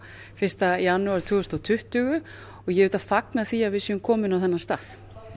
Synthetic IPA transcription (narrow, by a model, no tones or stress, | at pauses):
fɪr̥st̪ajanuaɾ̥t̪ʰuːɣʏst̪awt̪ʰʏht̪ʏɣʏ | ɔɣjɛvʏt̪afaknaθiːavɪðsɛʏmkʰɔːmɪnawθɛnːast̪aːθ